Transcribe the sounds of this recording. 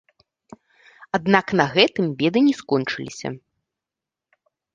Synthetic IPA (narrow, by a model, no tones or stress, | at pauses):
ad̪naknɐɣɛt̪ɨmbʲɛd̪ɨnʲɛskɔnt͡ʂɨlʲḭsʲɐ̰